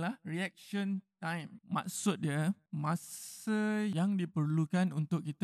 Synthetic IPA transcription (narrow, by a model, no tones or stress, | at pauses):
lahriɛk̚ʃə̃nt̪ãjmːa̰k̚sʊt̪̚diəmãsajaŋdipərlukanunt̪ʊkːit̪a